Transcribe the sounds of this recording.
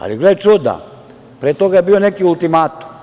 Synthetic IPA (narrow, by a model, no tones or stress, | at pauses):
a̰liɡlet͡ʃud̪a̰ | pɾet̪o̞ɡajebio̞ne̞kiulˠt̪imaːt̪u̥m